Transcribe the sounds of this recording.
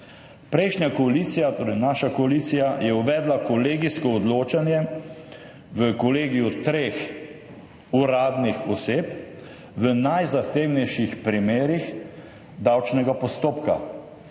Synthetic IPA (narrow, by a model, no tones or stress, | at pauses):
pɾɛjʃnjakɔaliːt̪sijat̪oːɾɛjnaːʃakɔaliːt̪sijajɛuʋɛːd̪lakɔleːɡiskɔːd̪loːt͡ʃanjɛ | ʋəkɔleːɡijut̪ɾeːx | uɾaːd̪nixɔseːp | ʋənajzaxt̪eːwnɛjʃixpɾimeːɾix | d̪awt͡ʃnɛɡapɔst̪oːpka̰